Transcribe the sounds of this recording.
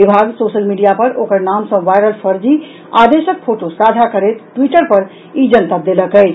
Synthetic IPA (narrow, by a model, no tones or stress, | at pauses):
ibʱaɡsosəlmiɖijapəɾokəɾnamsə̃ʋajɾəlpʰəɾd͡ʒi | ad̪esək̚pʰoʈosad̪ʱakəɾet̪ʈwiʈəɾpəɾ | id͡ʒənt̪ad̪eləkəɪt͡ʃʰ